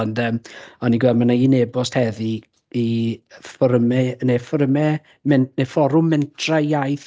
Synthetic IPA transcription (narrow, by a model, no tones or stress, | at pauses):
ɔndəːmɔniɡwɛlmanainebɔsthɛði | ifɔɾəmɛnefɔɾəmɛ | mɛnnefɔɾʊmːɛntʰrajajθ